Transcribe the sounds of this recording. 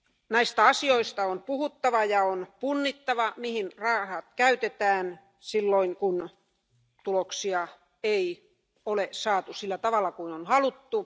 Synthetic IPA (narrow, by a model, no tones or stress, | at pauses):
næist̪æɑsioist̪ɑompuhut̪ːɑʋɑjɑonpunːit̪ːɑʋɑmihinrɑːhɑt̪kæyt̪et̪æːn | silːoiŋkun | t̪uloksiɑ | ei | olesɑːt̪usilːæt̪ɑʋɑlːˑɑkuinonhɑlut̪ːu